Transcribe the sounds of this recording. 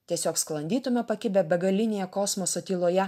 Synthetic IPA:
t̪ʲiɛsʲoːksklˠɐnʲd̪ʲiːt̪ʊmʲopɐkʲɪbʲɛbʲɛɡɐlʲɪnʲeːjɛkɔsmosot̪ʲiːlˠoːjɛ

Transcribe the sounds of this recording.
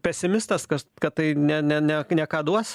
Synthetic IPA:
pʲɛsʲɪmʲɪst̪ɐskɐkɐt̪t̪ɐɪnʲɛnʲɛnʲɛnʲɛkɑːd̪uɔs

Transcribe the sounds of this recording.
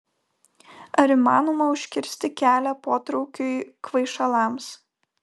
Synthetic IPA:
ɐɾiˑmɑːnoːmɐʊʃʲkʲɪɾʲsʲt̪ʲɪkʲæːlʲæpoːt̪ɾɔʊkʲʊɪkʋɐɪʃɐlˠɑˑms

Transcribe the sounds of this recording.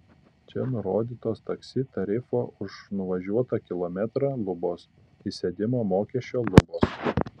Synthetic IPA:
t͡ʃʲɛnʊɾoːd̪ʲiːt̪oːst̪ɐksʲɪt̪ɐɾʲɪfoːʔʊʃnʊʋɐʒʲuɔt̪ɑːkʲɪlˠɔmʲɛt̪ɾɑːlˠʊboːs | isʲed̪ʲɪmomoːkʲɛʃʲt͡ʃːʲoːlˠʊboːs

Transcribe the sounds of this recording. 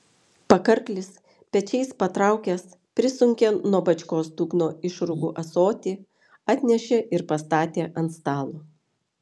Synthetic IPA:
pɐkɐɾklʲɪs | pʲɛt͡ʃʲɛɪspɐt̪ɾɑˑʊkʲɛs | pʲɾʲɪsʊŋʲkʲenuɔbɐt͡ʃʲkoːsd̪uːknoːɪʃɾʊɡuːʔɐsoːt̪ʲiː | ɑːt̪ʲnʲɛʃʲeʔɪɾpɐst̪ɑːt̪ʲeːʔɐnt̪st̪ɑːlˠoː

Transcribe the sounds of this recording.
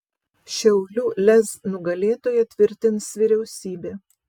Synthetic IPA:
ʃʲɛʊlʲuːlʲɛznʊɡɐlʲeːt̪oːjɛt̪ʲʋʲɪɾʲt̪ʲɪnsʋʲiɾʲɛʊsʲiːbʲeː

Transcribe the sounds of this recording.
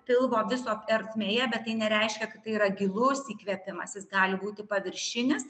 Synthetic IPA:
pʲɪlˠboːʋʲɪsoːɛɾʲt̪ʲmʲeːjɛbʲɛtt̪ːɐɪnʲɛɾʲɛɪʃʲkʲɛkɐt̪t̪ɐɪiːɾɐɡʲɪlˠʊsiːkʋʲɛpʲɪmɐsjɪsɡɑːlʲɪbuːt̪ʲɪpɐʋʲɪɾʲʃʲɪnʲɪs

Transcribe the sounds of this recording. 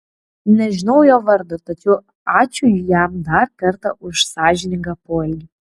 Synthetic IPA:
nʲɛʒʲɪnɐʊjoːʋɐɾd̪ot̪ɐt͡ʃʲɛʊ | ɑːt͡ʃʲʊjjæmd̪ɐɾkɐɾt̪ɐʔʊʃsɑːʒʲɪnʲɪŋɡɑpoːlʲɡʲi

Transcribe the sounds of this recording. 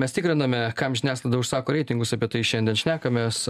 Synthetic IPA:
mʲɛst̪ʲɪkɾʲɪnɐmʲɛkɐmʒʲɪnʲæːslˠɐɪd̪ɐʊʃsɑːkoːɾʲɛɪt̪ʲɪŋɡʊsɐpʲiɛt̪ɐɪʃʲɛnd̪ʲiɛnʃʲnʲæːkɐmʲes

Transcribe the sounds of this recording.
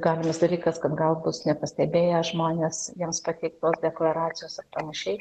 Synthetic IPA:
ɡɑːlʲɪmɐsd̪ɐlʲiːkɐskɐt̪ɡɐlˠbʊsnʲɛpɐsʲt̪ʲɛbʲeːjɛʒmoːnʲeːsjiɛmspɑt̪ʲɛɪk̚t̪oːsd̪ʲɛklˠɐɾɑːt͡s̪ʲɪjoːsɐrpɐnɐʃʲɛɪ

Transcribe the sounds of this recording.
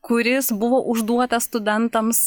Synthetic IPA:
kʊɾʲɪsbʊʋoːʔʊʒd̪uɔt̪ɐsst̪ʊd̪ʲɛnt̪ɐms

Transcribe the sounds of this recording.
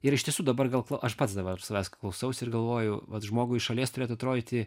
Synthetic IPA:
ɪɾɪʃʲtʲiɛsuːd̪ɐbɐrɡɐlˠklˠɐʊʔɐʃpɐt̪sd̪ɐbɐɾsɐʋʲæːskɐklˠɐʊsɐʊsʲɪrɡɐlˠʋoːjʊʋɐt̪ʒmoːɡʊɪʃɐlʲiɛst̪ʊɾʲeːt̪ʊɐt̪ɾoːd̪ʲɪːt̪ʲɪ

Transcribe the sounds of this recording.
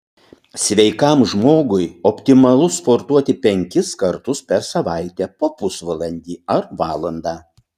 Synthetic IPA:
sʲʋʲɛɪkɐmʒmoːɡʊjɔpʲt̪ʲɪmɐlˠʊspoɾt̪uɔt̪ʲɪpʲɛŋʲkʲɪskɐɾt̪ʊspʲɛɾsɐʋɑˑɪt̪ʲɛːpoːpʊsʋɐlˠɐnʲd̪ʲiːɐɾʋɑːlˠɐnd̪ɑː

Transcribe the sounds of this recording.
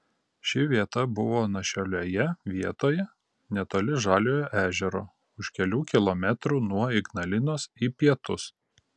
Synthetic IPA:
ʃʲɪʋʲiɛt̪ɐbʊʋoːnɐʃʲoːlʲoːjɛʋʲiɛt̪oːjɛ | nʲɛt̪oːlʲɪʒɑːlʲoːjoʔæːʒʲɛɾo̰ː | ʊʃkʲɛlʲuːkʲɪlˠoːmʲɛt̪ɾuːnuɔɪɡnɐlʲɪnoːsiːpʲiɛt̪ʊs

